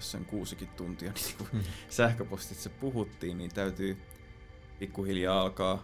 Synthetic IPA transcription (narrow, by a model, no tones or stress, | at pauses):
ssḛŋkuːsikit̪t̪unt̪iɑniːŋkusæhkøpost̪it̪sepuhut̪ːiːnniːnt̪æyt̪yː | pikːuhiljɑːɑlkɑː